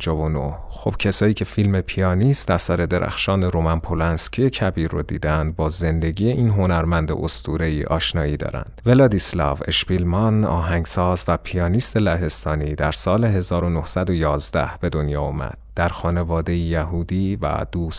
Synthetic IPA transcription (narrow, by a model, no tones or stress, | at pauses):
d͡ʒɒːvono̰hxob̥cʰesɒːjiːcʰe̞filme̞pʰijɒːnist̪æsæɾe̞d̪e̞ɾʔæ̰xʃɒːneɾo̞mænpʰolænscʰijecʰæbiːɾːo̰d̪ḭːd̪eænd̪̚bɒːze̞nd̪e̞ɟiːjeʔiːnɦo̞næɾmænd̪ḛʔost̪ʰuːɾe̞jiʔɒ̰ːʃnɒːjiːd̪ɒ̰ːɾæ̰nd̪̥ve̞lɒːd̪islɒ̰ve̞̰ʃpilmɒnɒːɦæŋsɒːzvæpʰijɒːnist̪e̞læɦe̞st̪ɒːniːd̪æɾsɒːle̞ɦe̞zɒːɾo̞no̞hsæd̪o̞jɒːzd̪æ̰hb̥e̞d̪o̞njɒːomæ̰d̪̥d̪̥æɾxɒːne̞vɒːd̪e̞jijæɦuːd̪iːvæ̰d̪̥uːs